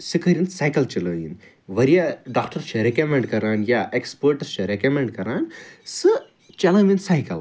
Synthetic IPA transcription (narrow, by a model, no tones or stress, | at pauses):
sɨkəɾinsaːjkɐlt͡ʃɐlɐːjḭn | ʋɐɾijaɖaːkʈɐɾt͡ʃʰɐɾekɐmeɳɖkɐɾaːnjaʔekspəɾʈɐɾt͡ʃʰɐɾekɐmeɳɖ̚kɐɾaːnsɨ | t͡ʃɐlaːminsaːjkɐl